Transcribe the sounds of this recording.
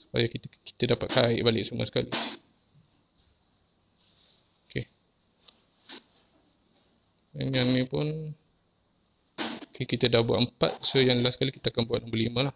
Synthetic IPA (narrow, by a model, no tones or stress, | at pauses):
su̥pa̰jakiki̥t̪ədapat̪̚kaɪʔbalɪʔsuma̰sə̥kali | oke | əŋanːĩpʊn | kikit̪ədahbua̰ʔ̪mpa̰t̪̚sojaŋləlasə̥kalikit̪akanbuat̪̚nambəlimə̃lah